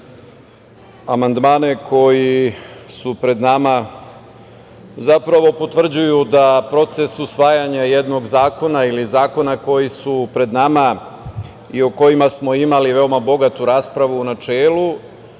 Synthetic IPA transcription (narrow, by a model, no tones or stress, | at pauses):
amand̪maːnekʰo̞jisupɾe̞d̪nama | zapɾaʋo̞po̞t̪ʋr̩d͡ʑujud̪apɾo̞t̪se̞susʋaːjaɲajed̪no̞ɡzaːko̞nailizaːko̞nako̞jisupɾe̞d̪nama | ioko̞jimasmo̞imaliʋe̞o̞mabo̞ɡat̪uɾaːspɾaʋuːnat͡ʃeːlu